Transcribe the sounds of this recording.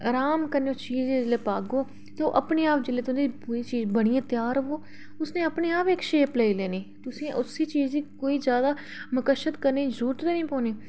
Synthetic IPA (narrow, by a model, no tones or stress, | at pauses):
ɾaːmkəɾneːʊt͡ʃiːzẽːd͡ʒeleːpaːɡoː | t̪eoʔəpneːaːp̚d͡ʒɪleːt̪ʊipuːɾiːt͡ʃiːzbəɽ̃iãːt̪ɪjaːɾɦoː | ʊsnẽːəpneːaːpeːkʃeːpleːileːniːt̪ʊsĩːʔʊsiːt͡ʃiːzikoːiːzjaːd̪aː | məkəʃət̪kəɾniːd͡ʒuːt̪ɾeːnĩːpoːniː